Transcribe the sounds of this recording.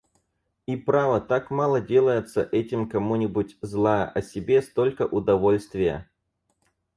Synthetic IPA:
ipɾavət̪akmalˠədʲe̞lˠəjɪt̪sə̰ʔɛtʲɪmkɐmunʲɪbʊtʲzlˠajə̰ʔɐsʲɪbʲe̞st̪o̞lʲkəʔʊd̪ɐvo̞lʲst̪vʲɪjə̰

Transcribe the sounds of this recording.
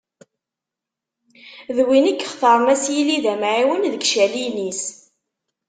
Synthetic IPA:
ðwinikːəχθɑɾˤmæsjiliðæmʕiwənðəkʃælinis

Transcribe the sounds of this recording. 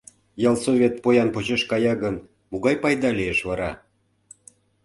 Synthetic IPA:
jɑlˠsovʲet̪̚pojɑnpot͡ɕeʃkɑjɑɣən | muɣɑjpɑjd̪ɑlieʃvɑɾɑ

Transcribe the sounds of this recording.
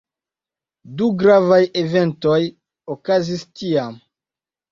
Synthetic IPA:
duɡɾavajeve̞nto̞j | okazistiam

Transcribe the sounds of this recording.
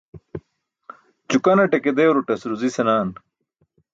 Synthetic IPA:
t͡ɕukɐnɐʈeked̪eːwɾuʈɐsɾuzisenaːn

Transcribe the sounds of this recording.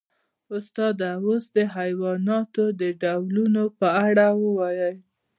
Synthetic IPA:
ʊst̪ɑd̪awosd̪əɦajwɑnɑt̪od̪əɖawlunopəaɽawəwajəj

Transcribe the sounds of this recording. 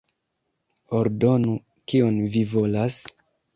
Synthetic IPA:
oɾdo̞nu | kionvivo̞las

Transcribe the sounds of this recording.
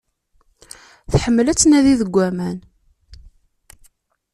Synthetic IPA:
θħəmːəlæt͡sːnæðiðəɡʷːæmæn

